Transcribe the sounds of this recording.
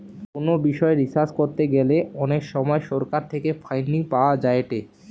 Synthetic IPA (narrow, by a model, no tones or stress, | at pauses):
konobiʃɔeɾisaskoɾt̪eɡeleɔnekʃɔmɔeʃɔɾkaɾt̪ʰekefʰajnːipaoad͡ʑaeʈe